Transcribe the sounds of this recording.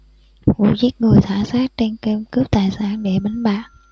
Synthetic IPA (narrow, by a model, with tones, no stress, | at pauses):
vṵ˧˨zi˦˥t̚ŋɨ˨˩əjt̪ʰwaː˧˩saː˦˥t̚t͡ɕe˧nke˧mkɨ˦˥əp̚t̪aː˨˩jsaː˧˥nɗe˧˩ɓa˨˦ŋ̟ɓa̰ː˧˨ʔ